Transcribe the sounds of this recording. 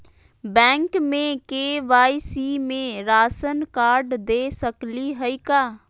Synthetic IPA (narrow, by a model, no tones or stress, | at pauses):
bɛ̃ːŋkmẽkeːʋaːisiːmẽɾaːsənkaːɾɖd̪eːsəkliɦəikaː